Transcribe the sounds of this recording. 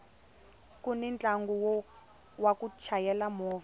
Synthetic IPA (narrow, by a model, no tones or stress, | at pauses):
kunɛnt͡ɬʼaŋɡuw | wakut͡ʃʰajɛlamɔːva